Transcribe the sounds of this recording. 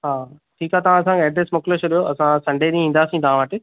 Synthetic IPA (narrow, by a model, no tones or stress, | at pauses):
ɦaː | ʈʰiːkaːt̪ɐʋ̤ãɐsãkʰeɛːɖɾesmʊkɪlət͡ɕʰʊɗijoɐsãsɐ̃ɳɖeːɗĩĩːn̆d̪aːsĩt̪ɐʋ̤ãʋəʈɪ